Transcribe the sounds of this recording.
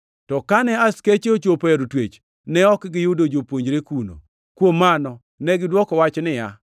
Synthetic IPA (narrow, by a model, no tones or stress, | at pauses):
tɔkanɛasket͡ʃeot͡ʃopeɾutwet͡ʃ | nɛɔkɡɪjʊdod͡ʒopwoɲd͡ʒɾekuno̰ | kwomːanɔ | nɛɡɪdwɔkɔwat͡ʃnɪja